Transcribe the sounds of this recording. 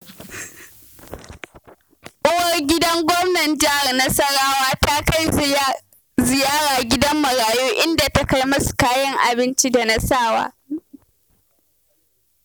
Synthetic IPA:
ʔʊ˦wɐ˦rɡʲɪ˦dɐ˦ŋɡʷɔ˦mnɐ˨nd͡ʒɪ˦ha˨rnɐ˦sɐ˦ɽaː˦waː˦ta˦ka˦j | zɪ˨jaː˦ɽaː˨ɡʲɪ˦dɐ˦mːɐ˨ɽaː˨juː˦ʔɪ˦nda˨ta˦ka˦jmɐ˦su̥˨kaː˦jɐ˦ŋʔa̰˨bɪ˦nt͡ʃi˦da˨nɐ˦saː˦˨wa̰ː˦

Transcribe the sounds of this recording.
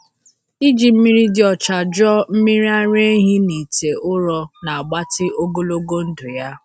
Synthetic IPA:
i˦d͡ʒi˨m̩˦mi˦ɾi˦dɪ˦ɔ˨t͡ʃa˨d͡ʒɔ˦m̩˦mi˦ɾi˦a˦ɾe˦ɦi˦ni˨te˨ʔʊ˦ɾɔ˦na˨a˨ɡ͡ba˦tɪ˦ʔo˦ɡo˦lo˦ɡo˦n̩˦dʊ˨ja˦

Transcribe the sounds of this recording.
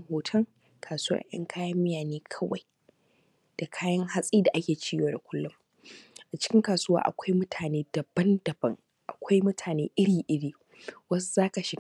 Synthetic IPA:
hoː˨tʰɐ˦ŋ | kʰaː˨suː˦wɐ̰˦ʔɐ̰˦ŋkʰaː˦jɐ˦mːɪ˦jaː˨neː˦kʰɐ˦wa˨j | d̥a˨kʰaː˦jɐ˦ŋɦa˦sʼiː˦da˨ʔa˦kʲeː˨t͡ʃiː˦joː˨da˨kʷʰʊ˦lːʊ˦m | ʔa˨t͡ʃɪ̥˦kʲɪ˦ŋkaː˨suː˦wa̰ː˦ʔa̰˨kʷa˦jmʊ˦tʰaː˨neː˦dɐ˨bːɐ˦ndɐ˨bɐ˦ŋ | ʔa̰˨kʷa˦jmʊ˦tʰaː˨neː˦ʔɪ˦ɽiː˨ʔɪ˦ɽiː˨ | wɐ˦szaː˦ka˨ʃɪ˨ɡ

